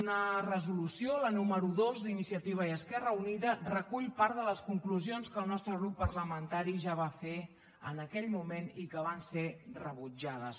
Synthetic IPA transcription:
nərəzulusiolənuməɾuðozd̪inisiət̪iβ̞əiəskɛrəuniðərəkuʎpaɾðələskuŋkluzionskəlˠnɔst̪ɾəɣɾupːəɾləmənt̪aɾiʒaβ̞afe | ə̰nəkɛʎmumenikəβ̞anserəβud͡ʒaðəs

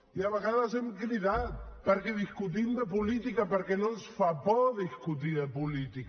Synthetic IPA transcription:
iaβəɣaðazɛmkliðat̪̚pəɾkɛðiskut̪̬imd̪əpulit̪ikapəɾkɛnõnsfapɔðiskut̪iðəpulit̪ik

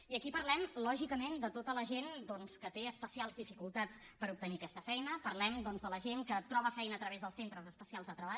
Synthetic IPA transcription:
iəkipəɾlɛmlɔʒikəmend̪ət̪ot̪ələʒend̪ɔnskət̪eəspəsialˠzðifikulˠt̪at͡s | pəɾup̚t̪əniəkɛst̪əfɛjnəpəɾlɛmd̪ɔnzðələʒeŋkət̪ɾɔβ̞əfɛjnəːt̪ɾəβezðəlˠsent̪ɾəzəspəsialˠzðət̪ɾəβa

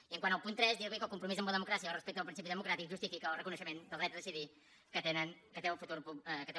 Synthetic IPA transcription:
iəŋkwanəlˠpunt̪ɾɛzðiəwikəlˠkumpɾumizəmbləðəmukɾasiəlˠrəspɛk̚t̪ðlˠpɾinsipiðəmukɾat̪ikʒust̪ifikəlˠrəkunəʃəmend̪əlˠd̪ɾɛt̪əðəsiði | kət̪enənkət̪eəlˠfut̪uɾpuəkət̪e

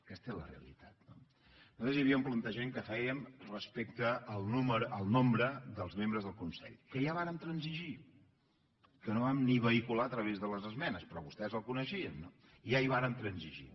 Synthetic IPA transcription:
kɛst̪əɛlə̰reə̰lḭt̪at̪̚no | not̪ezjəβiəmplənt̪əʒmeŋkəfɛjəmrəspek̚t̪əːlˠnuməɾʔəlˠnombɾəðəlˠzmembɾəzðəlˠkunsɛ̰ʎkəjaβaɾənt̪ɾənziʒi | kənoβamniβəikulaət̪ɾəβezðələzəzmɛnəspɾɔβust̪ɛzəlˠkunəʃiənːo | iaiβ̞aɾənt̪ɾənziʒḭ

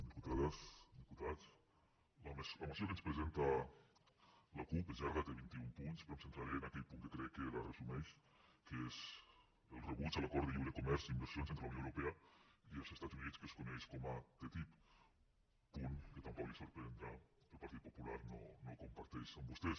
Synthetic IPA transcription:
d̪iput̪aðd̪iput̪as | lamsləmasiokənspɾəzent̪a | lakupəʒaɾɣat̪əβint̪iumpunspɾomsənt̪ɾaɾiənakɛʎpuŋk̪əkɾɛkːəlarəzumɛʃ | kəez | əlˠrəβut͡ʃələkɔɾd̪əʎiwɾəkumɛɾzimbəɾsionsent̪ɾəɐuwnowɾupɛɐiəlˠzəst̪ad͡zunit͡skəskunɛʃkɔmat̪et̪ip | puŋkət̪ampɔklisoɾpɾeend̪ɾaəlˠpaɾt̪it̪̚pupulaɾnonokumpaɾt̪ɛʃəmbust̪ɛs

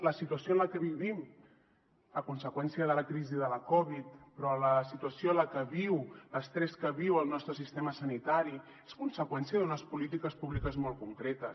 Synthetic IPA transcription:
ləsit̪uəsjoənləkəβiβim | əkunsəkwɛnsiəðələkɾiziðələkɔβit̪̚pɾɔləsit̪uəsjonləkəβiwləst̪ɾɛskəβiwəlˠnɔst̪ɾəsist̪eməsənit̪aɾi | eskunsəkwɛnsiəðunəspulit̪ikəspuβlikəzmɔlˠkuŋkɾɛt̪əs

